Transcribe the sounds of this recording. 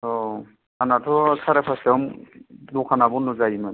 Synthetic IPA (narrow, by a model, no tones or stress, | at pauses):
ɔ | anatʰɔsaɾɛpʰasɛɔmdukʰanabɔnɔzajima